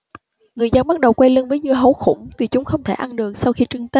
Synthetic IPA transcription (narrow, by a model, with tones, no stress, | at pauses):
ŋɨ˨˩əjzə˧nɓa˦˥t̚ɗə˨˩wkwɛ˧jlə˧nvəː˨˦jɲɨ˧ɦo˧˦xʊ̰˧˩ŋ͡mt̪i˨˩t͡ɕʊ˨˦ŋ͡mxə˧wŋ͡mt̪ʰe˧˩ʔa˧nɗɨ˨˩əŋ̚sa˧wxi˧t͡ɕɨ˧əŋt̪ə˦